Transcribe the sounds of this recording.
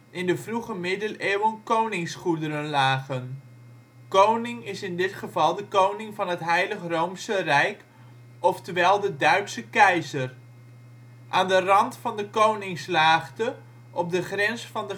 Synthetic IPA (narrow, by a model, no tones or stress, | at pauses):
ʔɪndəvruχəmɪdəleːwənkownɪŋsχudəɾənlaːχən | kownɪŋɪsɪndɪtχəvɑlˠdəkownɪŋvɑnɦətɦɛjləχrowmsərɛjk | ɔftəʋɛlˠdədœɥtsəkɛjzər | ʔaːndərɑntfɑndəkownɪŋslaːχtə | ʔɔp̚dəχrɛnsfɑndə